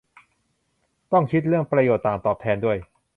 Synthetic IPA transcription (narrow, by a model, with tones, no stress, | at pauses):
t̪ɔ˥˩ŋkʰi˦˥t̪̚ɾəŋpɾa˧joː˨˩t̪ːaː˨˩mt̪ɔː˨˩p̚t̪ʰɛː˧ndu˥˩əj